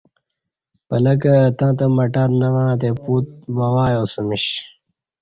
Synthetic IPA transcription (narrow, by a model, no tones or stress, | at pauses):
pɐlɐkɐt̪ãːt̪ɐmɐʈɐɾnɐʋɐɳ̃ãːt̪̬eːpuːt̪̚bɐwaːjoːsumiɕ